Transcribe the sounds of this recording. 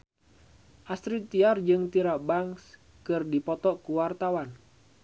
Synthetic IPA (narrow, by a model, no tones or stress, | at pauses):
ʔast̪ɾit̪iard͡ʒɨŋt̪iɾabaŋs | kɨrdipɔt̪ɔkuwart̪awan